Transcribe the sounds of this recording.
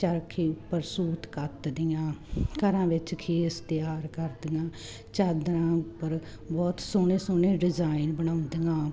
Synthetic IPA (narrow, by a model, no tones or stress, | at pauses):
t͡ʃəɾkʰiːʊpəɾsuːt̪kət̪d̪ɪjãːkəɾãːʋɪt͡ʃkʰeːst̪jaːɾkəɾd̪ɪjãː | t͡ʃəd̪ɾãːʊpːəɾ | bɔːt̪soːnẽːsoːnẽːɖɪzaːɪnbənaːʊnd̪ɪjãː